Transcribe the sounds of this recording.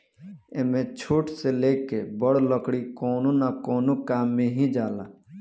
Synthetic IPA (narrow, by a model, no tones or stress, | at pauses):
emẽt͡ʃʰoːʈseleːkebəɽləkɽikɔːnonakɔːnokaːmːẽɦĩd͡ʒaːlaː